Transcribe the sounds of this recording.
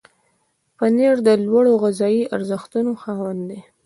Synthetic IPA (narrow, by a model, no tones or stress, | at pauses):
pəneɾd̪əlwaɽoɣazɑjiaɾzəxt̪unoxɑwand̪e